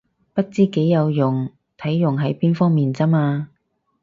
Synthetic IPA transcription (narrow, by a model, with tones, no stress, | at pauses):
pɐ˥t̚t͡siː˥ke˨˥jːɐ˨˧wjʊ˨˩ŋ | t̪ʰɐ˨˥jːʊ˨˩ŋɦɐ˨˥jpiː˥nfɔː˥ŋmiː˨˩nt͡sɐ˥maː˧